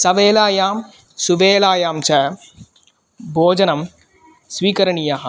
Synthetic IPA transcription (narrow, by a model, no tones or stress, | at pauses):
sɐʋeːlaːjaːm | suʋeːlaːjaːmt͡ʃɐ | bʱoːd͡ʒɐnɐm | sʋiːkɐɾɐɳijaːɦɐ